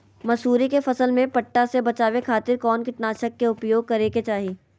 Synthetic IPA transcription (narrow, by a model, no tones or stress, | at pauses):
mɐsuːɾikefɐsəlmẽpɐʈːasebɐt͡ʃaːʋekʰaːt̪ɪɾkɔːnkɪʈnaːʃəkːeʊpjoːɡ̚kɐɾeːket͡ʃaːɦiː